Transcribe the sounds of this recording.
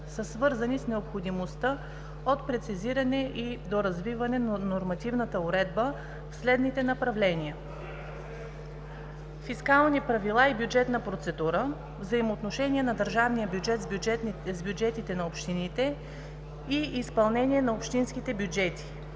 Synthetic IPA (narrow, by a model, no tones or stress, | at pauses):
səsvɤɾzənisnɛopxod̪imost̪ə | ot̪pɾɛt̪siziɾɐnɛʔid̪oɾɐzvivɐnɛnnoɾmɐt̪ivnət̪əoɾɛd̪̚bə | fslɛd̪nit̪ɛnɐpɾɐvlɛniə | fiskalˠnipɾɐvilˠaibʲjud͡ʒɛt̪nəpɾot̪sɛd̪uɾə | vzəimoːt̪noʃɛniɛnɐd̪əɾʒavnijəɛt̪ | zbʲjud͡ʒɛt̪it̪ɛnɐopʃt̪init̪ɛ | iʔːspɐlˠnɛniɛnɐopʃt̪insk̟it̪ɛbʲjud͡ʒɛt̪i̥